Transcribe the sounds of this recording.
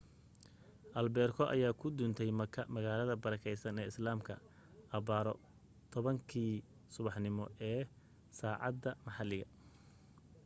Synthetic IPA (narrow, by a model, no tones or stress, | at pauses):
ʔɐlbɛːrkʰɔʔɐ̰jaːkʰʊd̪ʊnt̪ʰɛjmɐkʰɐmɐɣaːlɐðɐbɐɾɐkʰɛjsɐnɛːɪslaːmkʰɐ | ʔɐbaːɾɔ | t̪ʰɔβɐŋkʰiː | sʊβɑħnɪmɔ̰ʔɛː | saːʕɑ̰d̪ːɐmɑħɑlɪɣɐ